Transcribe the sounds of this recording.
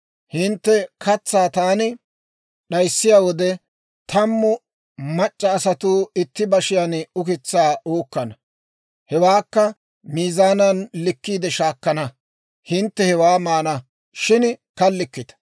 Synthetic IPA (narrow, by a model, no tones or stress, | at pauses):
hɪnt̪ːɛkʰɐt͡sːaːt̪aːnɪ | ɗɐjsːɪjaːwɔd̪ɛ | t̪ʰɐmːʊ | mɐt͡ʃʼːɐːsɐt̪ʊɪt̪ːɪbɐʃɪjanʊkɪt͡sːaːʔoːkːɐnɐ | hɛwaːkːɐ | miːzaːnɐnlɪkːiːd̪ɛʃaːkːɐnɐ | hɪnt̪ːɛhɛwaːmaːnɐ | ʃɪnkɐlːɪkːɪt̪ɐ̥